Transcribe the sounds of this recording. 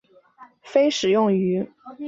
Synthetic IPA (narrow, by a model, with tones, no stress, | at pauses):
fe˥ɪʂɻ̩˨˩jʊ˥˩ŋy˧˥